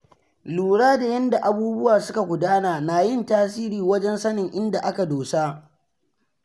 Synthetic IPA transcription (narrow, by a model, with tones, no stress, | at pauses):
luː˨ɽaː˦da˨jɐ˦nda˨ʔa˨buː˦bʊ˦waː˨sʊ˦ka˨ɡʷʊ˨daː˦naː˨naː˨jɪ˦˨ntaː˦siː˦ɾiː˨wɐ˦d͡ʒɛ˦nsɐ˦nɪ˨ŋʔɪ˦nda˨ʔa˦ka˨doː˨sa˦